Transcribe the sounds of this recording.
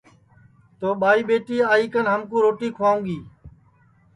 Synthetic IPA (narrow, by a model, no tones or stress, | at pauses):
t̪oːɓaːiːɓeːʈiːaːiːkənɦəmkũːɾoːʈiːkʰʊaːũːɠiː